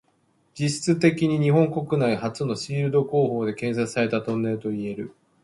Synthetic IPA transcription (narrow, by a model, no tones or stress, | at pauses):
d͡ʑiɕi̥t͡sɨt̪e̞kʲiɲ̟iɲ̟iɦõ̞ŋko̞kɯ̟naihat͡sɨno̞ɕiːɾɯ̟d̪o̞ko̞ːɦo̞ːd̪e̞kẽ̞ɰ̃sat͡sɨ̥saɾe̞t̪at̪õ̞nːẽ̞t̪o̞ie̞ɾɯ̟